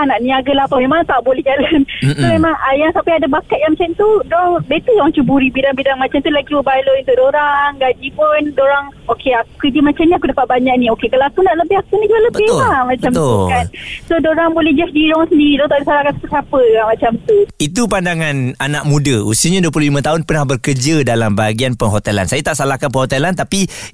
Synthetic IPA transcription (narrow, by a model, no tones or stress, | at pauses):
anaʔniaɡəlaɦapamemãŋt̪aʔbolɛhd͡ʒalansomemaŋajaŋsapaadabakat̪̚jaŋmat͡ʃamt̪udɔhdet̪udoɾaŋt͡ʃubuɾibidaŋbidaŋmat͡ʃamt̪ulaɡiwəbaloint̪uʔdoɾaŋɡad͡ʒipundoɾaŋokeakukəd͡ʒəmat͡ʃamɲiakudapat̪̚baɲaʔnĩokekəlakunaʔləbɪɦakunĩd͡ʒualəbbɪhlamat͡ʃamt̪ukansodoɾaŋbolɛhd͡ʒɛfdiɾɔŋsəndiidɔt̪aʔdisalahkansḁpəsapəaŋmat͡ʃamt̪uit̪̬upandaŋananaʔ̚mũdəusiəɲaduəpululimə̃t̪aɦʊnpənahbərkərd͡ʒədalambaɡianpəŋɦot̪ɛla̰nsajat̪aʔsalahkanpəŋhot̪ɛlant̪api